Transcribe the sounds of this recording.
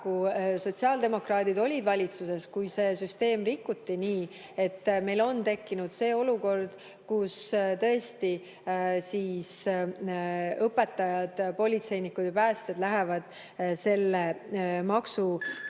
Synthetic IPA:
kuso̞t̪siɑld̪̥e̞mo̞krɑːd̪̥id̪o̞lʲid̪vɑlʲit̪suse̞skujse̞ːsyst̪e̞ːmrikːut̪ːiniː | e̞t̪ːme̞jlo̞nt̪e̞kːinud̪̥se̞ːo̞luko̞rd̪̥ | kust̪ɤ̞est̪i | siːs | ɤpːe̞t̪ːˑɑjɑd̪̥po̞lʲit̪se̞jnikːud̪ipæːst̪ed̪læɦevɑd̪̥ | se̞lːemɑksu

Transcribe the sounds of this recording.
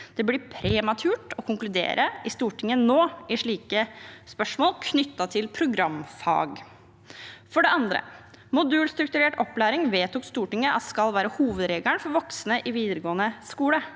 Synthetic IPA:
d̪̥ɛblɪpʰɾɛmɑt̪ʰʉːʈɔkʰʊŋklʉd̪ḛːɾʔəʔɪst̪uːʈʰɪŋːənoːɪʂɭiːkəspœʂmoːlkʰnʏt̪ːɑt̪ʰɪlpʰɾʊɡɾɑmfɑ̰ːɡ | fɔɖɛɑnd̪ɾə̰ | mʊd̪ʉːlst̪ɾʉk̚t̪ʉɾeːʈɔpːlæːɾɪŋʋeːt̪ʊkst̪uːʈɪŋːəʔɑ̰t̪skɑlʋæːɾəhuːʋəd̪ɾeːɡ̪æɳfɔɾʋɔksnəʔɪʋiːd̪əɾəɡoːənəskuːlə

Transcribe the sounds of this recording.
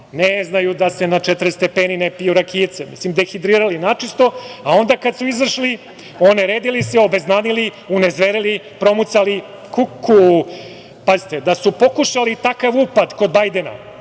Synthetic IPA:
neznajud̪ase̞nat͡ʃɛt̪ɾst̪epeːninepijuɾakiːt̪semḭslimd̪exid̪ɾiːɾalinat͡ʃist̪o̞ao̞nd̪akad̪suizaʃli | o̞neɾeːd̪iliseo̞beznaːnili | unezʋeɾili | pɾo̞mut̪sali | kukʰːu | pazit̪ed̪asupo̞kuʃalit̪akaʋupad̪ko̞d̪bajd̪ena̰

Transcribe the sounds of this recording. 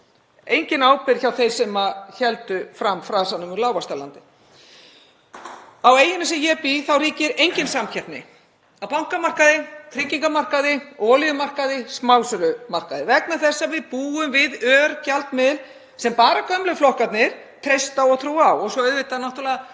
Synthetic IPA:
ejɲcɪnaːwpɪɾ̥çawθejɾ̥sɛmaçɛlt̪ʏfɾamfɾasanːʏmʏlaːwvast̪alant̪ɪ | aweːjɪnɪsɛmjɛpiθawɾiːcɪɾejɲcɪnsamçʰɛp̪nɪ̰ | awpawŋ̥kamar̥kaðɪt̪ʰɾɪcːiŋkamar̥kaðɪɔːliʏmar̥kaðɪsmawsʏlʏmar̥kaðɪvɛknaθɛsːavɪðpuːʏmvɪðœːɾcalt̪mɪðɪl | sɛmpaːɾakʰœmlʏflɔhkat̪nɪɾ̥ | t̪ʰɾejst̪aɔɣθɾuːawɔɣsɔœðvɪt̪aðnaht̪alɛða

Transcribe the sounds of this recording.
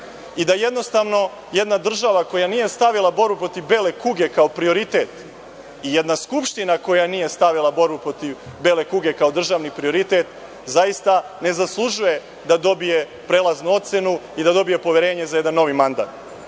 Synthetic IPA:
id̪aje̞d̪no̞st̪aʋno̞ | je̞d̪nad̪r̩ʒaʋako̞janije̞st̪aʋilˠabo̞ɾbupɾo̞t̪ivbe̞ːle̞kuɡe̞kaopɾio̞ɾit̪e̞t̪ | ijed̪naskupʃt̪inako̞janiːje̞st̪aʋilˠabo̞ɾbupɾo̞t̪iʋbe̞ːle̞kuɡe̞kao̞d̪r̩ʒaʋnipɾio̞ɾit̪e̞t̪ | zajist̪a | ne̞zaslˠuʒuje̞ | d̪ad̪o̞bije̞ | pɾeːlˠaznuo̞t̪se̞nuid̪ad̪o̞bije̞po̞ʋeɾe̞ːɲezaje̞d̪anːo̞ʋimand̪a̰ːt̪

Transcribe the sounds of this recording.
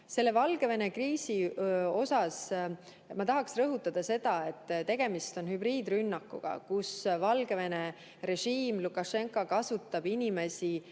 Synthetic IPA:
se̞lːe̞vɑlɡ̥e̞ve̞ne̞kriːsio̞sɑs | mɑt̪ɑɦɑksrɤɦut̪ːˑɑd̪̥ɑse̞d̪̥ɑe̞t̪ːˑt̪e̞ɡ̥e̞mist̪o̞nhybriːd̪rynːɑkːˑṵɡ̥ɑ̰kusvɑlɡeve̞ne̞ | ɾe̞ʒiːmlukːˑɑʃe̞ŋkˑokɑsut̪ˑːɑb̥inʲime̞si

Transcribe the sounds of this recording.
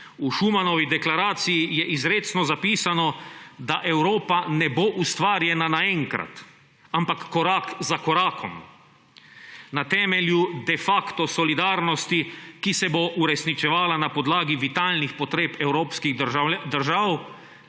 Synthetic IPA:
uʃumanɔʋid̪ɛklaɾaːt̪sijijɛʔizɾeːt̪snɔzapiːsanɔd̪aʔɛwɾoːpanɛboʔust̪ʋaːɾjɛnanaɛŋkɾa̰t̪ | ampakːɔɾaːkzakɔɾaːkʰɔm | nat̪ɛːmɛljud̪ɛfakt̪ɔsɔlid̪aːɾnɔst̪ikisɛboʔuɾɛsnit͡ʃɛʋaːlanapɔd̪laːɡiʋit̪aːlnixpɔt̪ɾeːpɛwɾoːpskiɣd̪əɾʒaːw

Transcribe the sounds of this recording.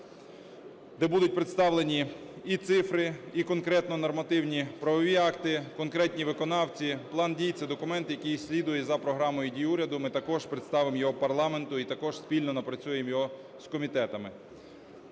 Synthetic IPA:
d̪ɛbud̪ʊt̚ʲpɾɪt̪st̪ɑwlˠenʲi | it̪sɪfɾɪikɔnkɾɛt̪nɔnɔrmɐt̪ɪwnʲipɾɐʋɔʋʲiɑkt̪ɪkɔnkɾɛtʲnʲiʋɪkɔnɑwt͡sʲiplˠɑndʲijt͡sʲːɐd̪ɔkʊmɛnt̪jɐkʲijsʲlʲid̪ʊjɛzɐpɾɔɦɾɑmɔjʊdʲijuɾʲɐd̪ʊmɪt̪ɐkɔʒpɾɪt̪st̪ɑʋɪmjɔɦɔpɐrlˠɑment̪ʊit̪ɐkɔʒ̥spʲilʲnɔnɐpɾɐt͡sʲujemjɔɦɔ | skɔmʲit̪ɛt̪ɐmɪ

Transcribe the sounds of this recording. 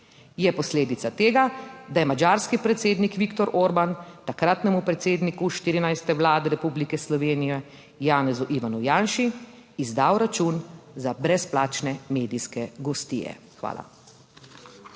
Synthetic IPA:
jɛpɔsleːd̪it̪sat̪eːɡad̪ajɛmad͡ʒaːɾskipɾɛt̪seːd̪nikʋikt̪ɔɾʔoɾbant̪akɾat̪nɛmupɾɛt̪seːd̪nikuʃt̪iːɾinajst̪ɛʋlaːd̪ɛɾɛpublikɛslɔʋeːnijɛ | jaːnɛzuʔiʋanujaːnʃi | izd̪aːwɾat͡ʃunzabɾɛsplaːt͡ʃnɛmeːd̪iskɛɡɔst̪ḭjɛ̰ | xʋa̰ːlʔa̰

